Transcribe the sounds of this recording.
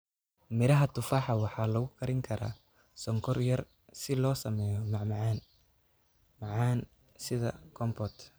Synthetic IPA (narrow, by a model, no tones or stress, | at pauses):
mɪɾɐɦɐt̪ʰʊfaːħɑwɑħɑːlɐɣʊkʰɐɾɪŋkʰɐɾa̰ː | sɔŋkʰɔrjɐr | sɪlɔːsɐmɛːjɔmɑʕmʕɑn | mɑʕɑːn | sɪðɐ̰kʰɔmpʰɔːt̪